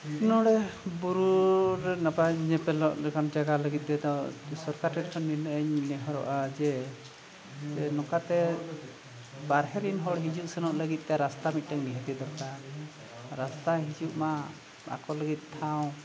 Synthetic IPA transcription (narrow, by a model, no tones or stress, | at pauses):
nɔɽɛbuɾuɾɛnapaɲɛpɛlɔʔlɛkand͡ʒaɡaləɡit̪̚ˀt̪ɛd̪ɔsɔɾkaɾʈɛʈ̚kʰɔnːinəʔəɲnɛɦɔɾɔ̰ʔad͡ʒɛ | tɛnɔkat̪ɛ | baɾɦɛɾinɦɔɽɦid͡ʒuʔsənɔʔləɡit̪̚ˀt̪ɛɾast̪amit̪̚ˀtaŋniɦɛt̪ɛd̪ɔɾka | ɾast̪aɦid͡ʒuʔma | a̰kɔləɡit̪̚ˀt̪ʰaw̃